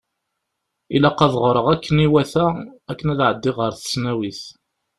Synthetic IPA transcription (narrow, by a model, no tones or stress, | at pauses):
ilæqɑðʁɾˤəʁækːəniwæθæækːənæðʕəd̪ːɪʁəɾθə̥snæwiθ